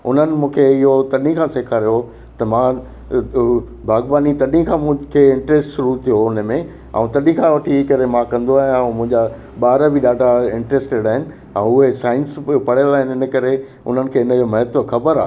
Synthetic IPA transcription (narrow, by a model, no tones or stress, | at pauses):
ʊ̰n̤ənɪ̆mũːkʰeɪɦot̪ɐɗĩkʰãːseːkʰaːɾijo | t̪ɐmã | bʱaːɡbaːnit̪ɐɗĩkʰãːmũkʰeːɪ̃ɳʈɾeːsʈʃʊɾut̪ʰijoʊnəmẽ | a̰ːũt̪ɐɗĩkʰãʋɐʈʰikɐɾemãkɐ̃nd̪oaːɦãmʊ̃ɦɪ̃ɲd͡ʑa | ɓaːɾəbɪɗaːɖʱaɪ̃ɳʈɾeːsʈeːɽaːɦɪnɪ̆ | ɛ̰̃ʊɦesaːɪ̃nspɐɽ̤ijəlaːɦɪnɪɪnə̆kɐɾe | ʊ̰n̤ənɪ̆kʰeːɪnə̆d͡ʑomɐɦət̪ʋoxɐbəɾaːɦ